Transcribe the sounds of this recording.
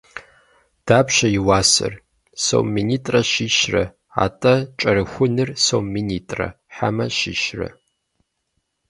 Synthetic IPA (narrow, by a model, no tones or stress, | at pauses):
d̥aːpʰʃɐiwaːsɐ̰r | so̰wmːinitʼrɐʃiʃrɐ | a̰tʼɐt͡ʃʼɐɾɨxʷʊnɨrsowmːinitʼrɐ̰ | ħa̰mɐʃḭʃrɐ̰